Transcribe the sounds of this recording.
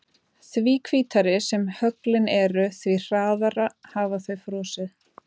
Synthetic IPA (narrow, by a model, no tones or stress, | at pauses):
θviːkʰviːt̪aɾɪsɛmhœklɪnɛɾʏθvir̥aːððaɾahaːvaθœɥfɾɔːsɪð